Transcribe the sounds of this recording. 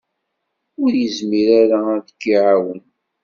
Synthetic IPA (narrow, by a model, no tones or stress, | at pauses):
ʊɾjəzmiɾaɾaðəkːiʕawən